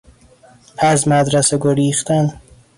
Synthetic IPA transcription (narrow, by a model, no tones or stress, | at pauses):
pʰæzmæd̪ɾæseɡoɾiːxt̪æn